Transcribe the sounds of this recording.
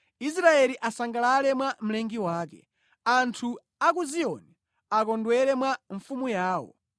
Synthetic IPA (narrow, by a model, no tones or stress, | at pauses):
is̬ɾaɛliʔasaŋɡalalɛmwam̩lɛŋɡiwaːkɛ̰ | antʰu | ak̬uziɔni | ak̬ɔndwɛɾɛmwaɱfumujaːwɔ̰